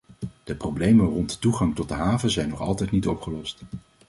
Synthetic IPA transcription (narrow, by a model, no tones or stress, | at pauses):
d̥əprowblejmərɔntətuχɑŋtɔt̚dəɦaːvəzɛjnɔχɑ̰lˠtɛjtnitɔpχəlɔst